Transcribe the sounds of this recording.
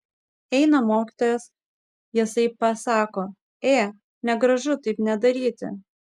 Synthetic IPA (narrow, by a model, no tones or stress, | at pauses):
ɛɪnɐmoːkʲiːt̪oːjɛs | jɪsɐɪpɐsɑːkoː | eː | nʲɛɡɾɐʒʊt̪ɐɪpnʲɛd̪ɐɾʲiːt̪ʲɪ̰